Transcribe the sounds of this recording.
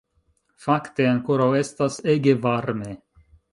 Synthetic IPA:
fakt̪eaŋkoɾawɛst̪aseɡevaɾme

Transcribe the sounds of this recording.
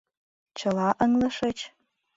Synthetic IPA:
t͡ʃʰɐlɑʔəŋlɐʂɐt͡ʃʰ

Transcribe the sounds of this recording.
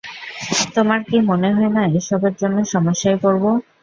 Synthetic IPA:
t̪omaɾkimoneɦɔenaeʃɔbeɾd͡ʑonːeʃɔmoʃːajkoɾbo

